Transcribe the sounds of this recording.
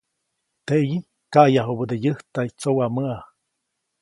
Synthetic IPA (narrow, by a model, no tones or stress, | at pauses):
t̪eʔji | kajaɦobəd̪ejəht̪ait͡sowaməa